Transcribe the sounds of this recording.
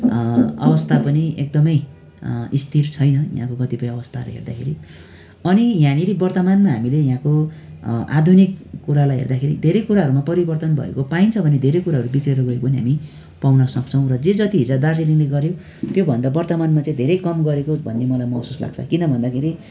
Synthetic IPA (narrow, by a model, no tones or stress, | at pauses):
ʌ̰bʌst̪ʰapʌniek̚d̪ʌmʌj | ist̪ʰirt͡sʰʌjnʌjã̰kokʌt̪ipʌj̃ʌbʌst̪ʰaɾ̰ɦḛrd̪akʰḛɾi | ʌnijãniɾibʌrt̪ʌmanmaɦamilejãko | a̰d̪ʱunikːuɾalajɦḛrd̪akʰeɾḭd̪ʱeɾʌjkuɾaɦʌɾumapʌɾibʌrt̪ʌnbʱʌ̰ḛkopaint͡sʰʌbʱʌned̪ʱeɾʌjkuɾaɦʌɾubikreɾʌɡʌekopʌniɦa̰mi | pawnʌsʌk̚t͡sʰʌw̃rʌd͡zed͡zʌt̪iɦid͡zad̪ard͡zilinleɡʌɾje | t̪jobʱʌnd̪abʌrt̪ʌmanmat͡saĩd̪ʱeɾʌjkʌmɡʌɾekobʱʌnːemʌlajmʌsusla̰ɡ̚t͡sʰʌ̰kinʌbʱʌnd̪akʰeɾi